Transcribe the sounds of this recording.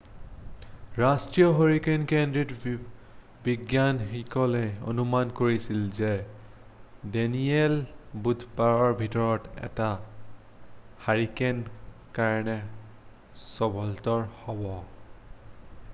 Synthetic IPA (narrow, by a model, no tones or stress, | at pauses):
ɹastɹijɔɦoɹikenkendɹit | biɡjanxikɔlɛo̰numankoɹisilzɛ | dɛniɛlbudʱpaɹɔɹbʱitɔɹɔtɛ̰ta | haɹikɛn | kaɹɔnɛ | sɔbʱɔltɔɹhɔbɔ